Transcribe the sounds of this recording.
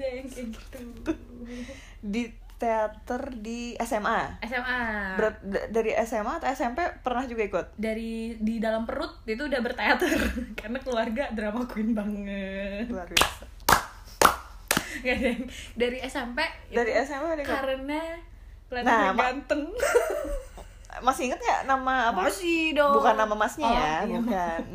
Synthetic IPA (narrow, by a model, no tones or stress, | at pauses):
aŋkət̪t̪u | di | t̪eat̪ərdiɛsɛmaɛsɛmabəɾat̪̚daɾiʔɛsɛmat̪aɛsɛmpepərnahd͡ʒuɡaikʊt̪̚daɾididalampəɾʊt̪̚it̪udahbərt̪eat̪ərkarnakəluarɡadɾamakuɪnbaŋəarɡa | kadaŋdaɾiɛsɛmpɛdaɾiɛsɛmaadikaɾəna | əlanaamɡant̪əŋ | masiŋət̪̚ɲa̰namaːpasidobukanːamamasɲajabuka